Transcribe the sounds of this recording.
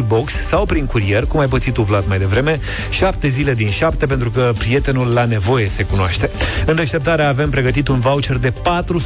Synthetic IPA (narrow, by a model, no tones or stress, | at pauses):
ibo̞ksːawpɾiŋkuɾie̞rkumajp̬ət̪sit̪uvlat̪majd̪e̞vɾe̞me̞ | ʃap̚t̪e̞zile̞d̪inʃapt̪e̞p̬e̞nt̪ɾukəpɾie̞t̪e̞nulːane̞vo̞je̞se̞kunoaʃt̪e̞ɨnd̪e̞ʃt̪e̞p̚t̪aɾeaːve̞mpɾe̞ɡət̪it̪unvawt͡ʃe̞rd̪e̞pat̪ɾus